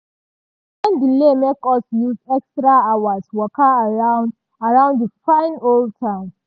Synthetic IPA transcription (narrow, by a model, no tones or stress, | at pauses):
fãndilemekɔsjuzɛkstɹaawaswɔkaːɹãʊ̃nd | aɹãʊ̃ndəfãɪ̃noltʰam